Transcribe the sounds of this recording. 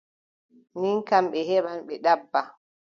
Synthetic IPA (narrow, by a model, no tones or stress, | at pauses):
niŋkamɓɛhɛɓanɓɛɗabːa